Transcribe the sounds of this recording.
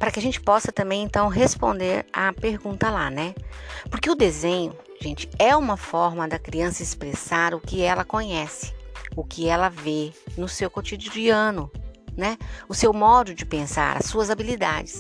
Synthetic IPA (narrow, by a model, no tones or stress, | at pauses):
paɾɐkɪaʒẽnt͡ʃɪ̥pɔsɐt̪ɐ̃mbẽj̃ẽnt̪ɐ̃w̃ɦespõ̰nd̪eɾapeɾɡũnt̪ɐla̰nɛpʊɾkɪʊd̪ezẽɲʊ | ʒ̥ẽnt͡ʃɪ̥ɛũmɐfɔɾmɐd̪ɐkɾiɐ̃sɐɪspɾesaɾʊkɪɛlɐkõɲɛsɪ̥ʊkɪɛlɐvenʊsewkot͡ʃid͡ʒd͡ʒiɐ̃nʊnɛʊsewmɔd̪ʊd͡ʒɪpẽsa̰ɾɐ̰suɐzabilid̪a̰d͡ʒɪs